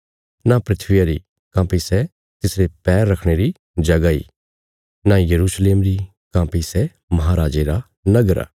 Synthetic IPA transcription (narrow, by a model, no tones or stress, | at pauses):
napɾɪt̪ʰʋɪjaɾi | kãːpisɛ | t̪ɪsɾepɛːɾːɐkʰɽ̃eɾi | d͡ʒɐɡaḭː | najɐɾuːsleːmɾi | kãːpisɛ | mɐɦaːɾaːd͡ʒeɾa | nɐɡəɾa̰